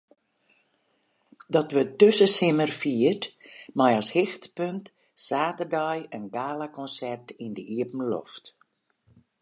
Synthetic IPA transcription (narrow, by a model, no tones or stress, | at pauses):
dɔtʋətøsəsɪmərfiətmajɔshɪxtpønt | saːtərdɔjənɡaːlakɔnsɛrtɪndəʔiəpm̩lɔ̰ft